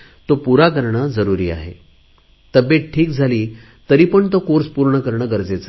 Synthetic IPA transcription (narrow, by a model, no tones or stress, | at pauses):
t̪opuɾakəɾɳəd͡zəɾuɾiːa̰ɦe | t̪əbjeʈ̚ʈʰːiːk̚d͡zʱaliː | t̪əɾiːpəɳt̪okoɾspuɾɳəkəɾɳəɡəɾd͡zet͡sa